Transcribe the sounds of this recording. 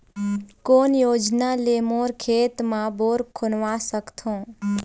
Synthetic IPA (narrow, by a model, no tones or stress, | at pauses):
koːnjoːd͡ʒnaleːmoːɾkʰeːt̪mãboːɾkʰʊnʋasəkt̪ʰõː